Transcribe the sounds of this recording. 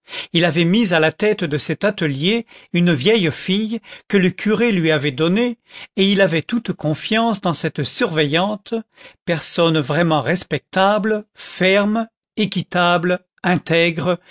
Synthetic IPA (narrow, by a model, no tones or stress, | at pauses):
ilavɛmizalat̪ɛt̪d̪əsɛt̪at̪əljeynvjɛjfijkələkʰʲyʁelɥiavɛd̪ɔneːilavɛt̪ut̪kʰɔ̃fjɑ̃sd̪ɑ̃sɛt̪syʁvɛjɑ̃t̪pɛʁsɔnvʁɛmɑ̃ʁɛspɛk̚t̪ablfɛʁm | ekʲit̪abl | ɛ̃t̪ɛɡʁ